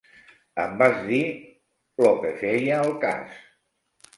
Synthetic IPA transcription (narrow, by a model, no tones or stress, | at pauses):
ə̰mbaʒði | lokəfejəːlˠka̰s